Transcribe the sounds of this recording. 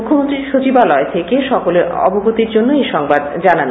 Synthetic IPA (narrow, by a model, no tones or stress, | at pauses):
ukʰːomont̪ɾiʃot͡ɕibalɔet̪ʰekeʃɔkoleɾɔ̰boɡut̪iɾd͡ʑonːoejʃɔŋbad̪d͡ʑanan